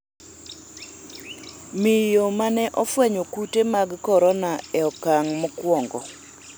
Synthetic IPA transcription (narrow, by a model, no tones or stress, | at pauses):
mɪjomanɛʔɔfwɛɲokutemaɡkɔɾɔnaɛɔkaŋmɔkwɔŋɡɔ̰